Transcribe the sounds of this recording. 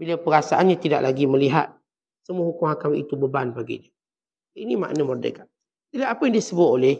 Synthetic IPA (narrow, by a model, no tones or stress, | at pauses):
bilapəɾasaʔanɲat̪ida̰ʔlʔaɡiməliɦa̰t̪̚ | səmuəɦukʊŋakamḭt̪ubəbanbaɡḭnə | inima̰ʔnəmərdḛkaʔ | t̪iliɦat̪apəjaŋdiəsəbʊt̪olɛh